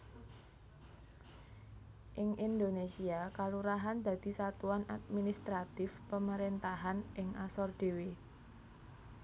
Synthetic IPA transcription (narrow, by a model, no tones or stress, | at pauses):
ʔɪŋʔind̪onesiakaluɾaɦand̪̥a̤d̪̥i̤sat̪uana̰t̪̚minist̪ɾat̪ɪfpəməɾent̪aɦanʔɪŋʔasɔrd̪̥e̤we